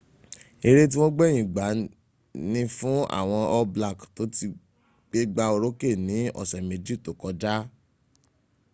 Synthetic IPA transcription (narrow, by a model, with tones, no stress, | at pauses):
e˧ɾe˦t̬i˦w̃ɔ̃˦ɡ͡bɛ˦j̃ĩ˨ɡ͡ba˨˦ | nĩ˧fũ˦a̰˦˨w̃ɔ̃˧ɔ˦bla˦˨kto˨˦ti˧ | k͡pe˦ɡ͡ba˧o˧ɾo˦ke˦˨nĩ˨˦ɔ̰˦˨sɛ˨me˨d͡ʒi˦˨to˨kɔ˨˧d͡ʒa˦